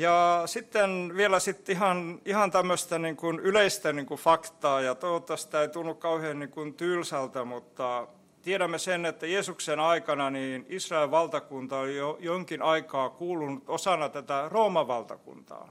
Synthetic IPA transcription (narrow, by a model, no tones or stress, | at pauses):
jɑsit̪ːenʋielæsit̪ːihɑnihɑnt̪æmːøst̪ɑniːŋkunyleist̪æniːŋkufɑkt̪ɑːjɑt̪oot̪ːɑsi̥t̪æeit̪unːukkɑuheːnniːŋkunt̪ylsælt̪æmut̪ːɑ | t̪ieɾæmːesenet̪ːæjeːsuksenɑikɑnɑniːnisrɑelʋɑlt̪ɑkunt̪ɑolijojoŋkinʔɑikɑːkuːlunut̪osɑnɑt̪æt̪æroːmɑʋʋɑlt̪ɑ̰kṵnt̪ɑ̰ː